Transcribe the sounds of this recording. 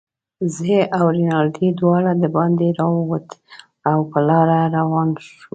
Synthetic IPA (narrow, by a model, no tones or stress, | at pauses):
zeʔawɾinɑlɖid̪wɑɽad̪əbɑnd̪eɾɑwəwat̪ | awpəlɑɾaɾawɑnʃu